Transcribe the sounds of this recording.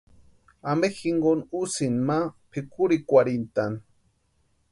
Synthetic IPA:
ambexiŋɡonusinmapʰikuɾikʷaɾint̪an

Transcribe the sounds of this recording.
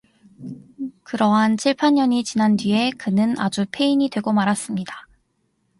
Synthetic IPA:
kɯɾʌɦant͡ɕʰiɭpʰanːʌɲit͡ɕinand͡ʑie̞kɯnɯna̰d͡ʑupʰe̞iɲidwe̞ɡomaɾas͈ɯmɲida

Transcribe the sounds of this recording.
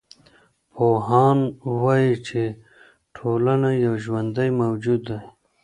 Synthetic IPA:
pʰoɦɑːnwɑjit͡ʃʰe | ʈʰolanajawʒwand̪ajmawd͡ʒud̪ːa

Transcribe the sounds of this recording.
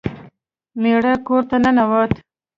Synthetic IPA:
meɽakoɾt̪ananawat̪

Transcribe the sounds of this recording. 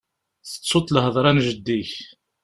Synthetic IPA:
θə̥t͡sːot̪ˤːləɦəðˤɾˤɑnʒəd̪ːiç

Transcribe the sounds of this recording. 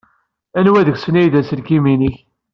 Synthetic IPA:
ænwæðəɡsənæjðæsəlkiminiç

